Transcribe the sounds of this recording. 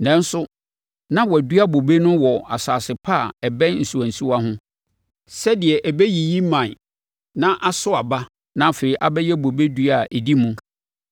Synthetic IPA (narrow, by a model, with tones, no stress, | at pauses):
nɛ̃˨n˦sʊ˦ | nã˦wɔ˨æ˨dɥa˦bo˨be˦nʊ̃˦wɔ˨a˨saː˨sɪ˨pʰa˦˨ɛ˨bɛ̃˦nn̩˨su˨æ̃˨n̩˨su˦a˦ɦʊ̃˦ | sɛ˦dɪ˨ɛ˨ʔæ˨bɛ˦ji˨ji˦mã˨n˨ | nã˦ʔa˦sʊ˦a˨ba˦ | nã˦˨fe˨ɾi˦ʔa˨bɛ˦jɛ˦bo˨be˦du˦a˨ʔe˨di˦mũ˦